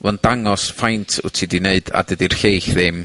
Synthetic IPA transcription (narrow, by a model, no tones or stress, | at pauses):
vɛnd̥aŋɔsfajntʰʊ̰tʰidineɨda̰dədirxejxðɪm